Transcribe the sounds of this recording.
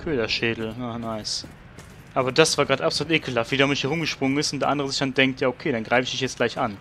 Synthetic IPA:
kʰøːlɐʃeːdl̩janaɪs | ʔaːbɐdasv̥aːɐɡʁaːtʔapsoluːtʔeːkʰl̩ːafviːdaʊmɪçhiːɐʁʊmɡəʃpʁ̥ʊŋənɪstʊntd̥eɐʔandəʁəzɪçd̥andɛŋk̚tjaːokʰeːɾanɡʁaɪfɪç̥ɪçjɛt͡stɡ̥laɪçʔan

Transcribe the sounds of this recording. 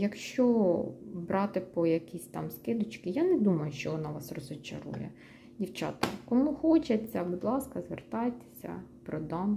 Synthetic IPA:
jɐkʃt͡ʃɔ | bɾɑt̪ɪpɔjɐkʲisʲt̪ɑmskɪd̪ʊt͡ʃkɪjɑnɛd̪umɐjʊʃt͡ʃɔʋɔnɑʋɑsrɔzɔt͡ʃɐ̰ɾṵjɛ̰ | dʲiwt͡ʃɑ̰t̪ɐ̰kɔmuxɔt͡ʃɐt͡sʲːɐbud̪lˠɑskɐzʋert̪ɑjt̪e̥sʲɐ̰ | pɾɔd̪ɑm

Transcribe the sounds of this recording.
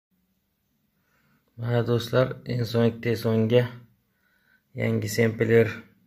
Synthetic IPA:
manad̪oslaɾɪnsonɪk̚ʲt̪ejsoŋɡʲa | ja̰ŋɡʲɪsempɪleɾ

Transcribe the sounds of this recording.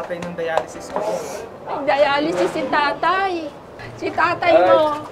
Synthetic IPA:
t̪ɐjnʊŋd̪ɐjaːlɪsɪskos | d̪ɐjaːlɪsɪsːɪt̪aːt̪aj | sɪk̪aːt̪ɐjmo

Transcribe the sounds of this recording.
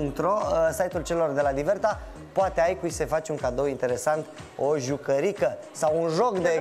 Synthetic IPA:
uŋkt̪ɾosajt̪ult͡ʃe̞lo̞rd̪e̞lad̪ive̞rt̪a | poat̪e̞ajkujse̞fat͡ʃuŋkad̪owint̪e̞ɾe̞sant̪ | o̞ʒukəɾikə | sawunʒo̞kd̪e

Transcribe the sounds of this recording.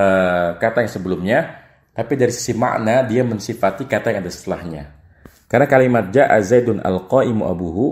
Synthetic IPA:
əkat̪ajaŋsəbəlʊmɲa | t̪apidaɾisi̥sima̰ʔnadiamənsifat̪ikat̪ajaŋadasə̥t̪əlahɲa̰ | karnakalimat̪̚d͡ʒaʔa̰zajdʊna̰lqaʔɪmuʔa̰buɦu

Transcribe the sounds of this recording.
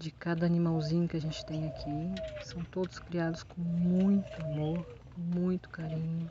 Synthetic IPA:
d͡ʒɪkad̪ɐːnimawzĩɲʊkɪɐʒẽnt͡ʃɪ̥t̪ẽj̃akʰisɐ̃w̃t̪od̪ʊskɾiad̪ʊskõmũj̃t̪ʊamoɾkõmũj̃t̪ʊ̥kaɾĩɲʊ

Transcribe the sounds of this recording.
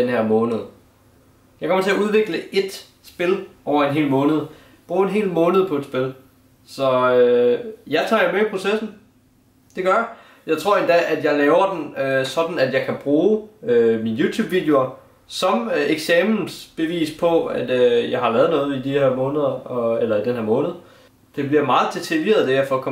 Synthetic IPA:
d̥enɦæɐ̰mɔ̽ːnəð̞ˠ | jɑɪkʰɒmɐt͡sʰe̝æuð̞ˠʋe̝ɡ̥ləe̝d̥ | sb̥e̝lʔɒʊ̰ɐenɦe̝̰ːlmɔ̽ːnəð̞̩ˠ | b̥ʁuːe̝nɦe̝̰ːlmɔ̽ːnəð̞̩ˠpʰɒ̽e̝d̥sb̥e̝l | sɒ̽øjɑt͡sʰɑ̈ːjɑ̈ɪmeipʰʁo̝sesn̩ | d̥e̝ɡ̥ɶɐj | jɑ̈ɪt͡sʰʁo̝ɐ̰e̝nd̥ɛ̰ʔæd̥jɑ̈ɪlɛːʊɐd̥en̩øsɒ̽d̥n̩æd̥jɑ̈ɪkʰæb̥ʁuːøminjuːt͡sʰjṵːb̥ʋid̥eo̝ | sɒ̽meɡ̥sɛmln̩sb̥e̝ʋḭːspʰɒ̽æd̥øjɑ̈ɪɦɑ̈lɛːɐð̞̩ˠnɔ̽ːð̞̩ˠid̥iheɐmɔ̽ːnəð̞ˠɐɒelɐid̥enɦeɐ̰mɔ̽ːnð̞̩ˠ | d̥e̝b̥liɐmɑ̈ːð̩ˠd̥ʰet͡sʰeiʋe̝ːɐð̞̩ˠd̥eæɐfɒkʰɒ̽

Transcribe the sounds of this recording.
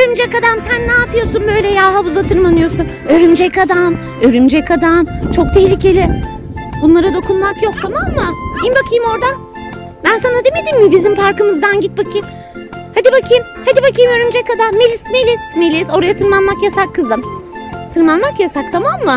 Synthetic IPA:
øɾymd͡ʒɛkad̪amsænːaːpʰɯjo̞sunbø̞jlʲɛjaːɦabuzat̪ʰɯɾmanɯjo̞sun | øɾymd͡ʒɛkad̪am | øɾymd͡ʒɛkad̪amt͡ʃʰo̞k̚t̪ʰɛhlʲicʰe̞lʲɪ | bunlˠaɾad̪o̞kʰunmakjo̞k̚t̪ʰamamːɯjimbakʰɯjɯmo̞ɾd̪a | bænsanad̪emed̪immɪbizimfaɾkɯmɯzd̪anɟit̪̚bakʰɯm | had̪ibakʰɯjɯmhad̪ibakɯjɯmøɾymd͡ʒɛkad̪amːelʲismelʲismelʲiso̞ɾajat̪ʰɯnmanmakjasakʰːɯzɯmt̪ʰɯɾmanmakjasak̚t̪ʰamamːɯ

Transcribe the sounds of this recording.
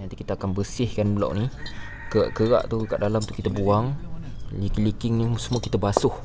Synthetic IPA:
ant̪ikit̪aːkanbəsɪhkanbəla̰wʔni | kəɣa̰ʔkəɣa̰ʔt̪ukəɣa̰ʔdalamunt̪ʊukːit̪abuaŋ | likilikɪŋnisəmũakit̪abasʊh

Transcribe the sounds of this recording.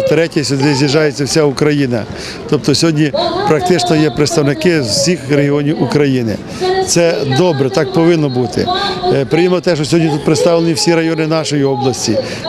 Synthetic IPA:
t̪ɾɛtʲɐsʲʊd̪ɪzʲjiʒɑjet͡sʲːɐwsʲaukɾɐjinɐ̰ | t̪ɔp̚t̪ɔsʲɦɔdʲnʲipɾɐk̚t̪ɪt͡ʃnɔjɛpɾet̪st̪ɐwnɪkɪwsʲixɾeɦiɔnʲiwukɾɐjinɪ̰ | t̪sɛd̪ɔbɾɛt̪ɑkpɔʋɪnːɔbut̪ɪ̰pɾɪjimɔt̪ɛʃt͡ʃɔsʲɔɦɔnʲit̪ut̪pɾɪt̪st̪ɑʋlˠenʲiwsʲiɾɐjɔnɪnɑʃɔjiɔblˠɐsʲtʲi

